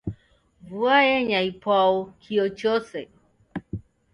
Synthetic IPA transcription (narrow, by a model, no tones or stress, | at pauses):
vuajɛɲaipwaɔkʰiɔt͡ʃɔsɛ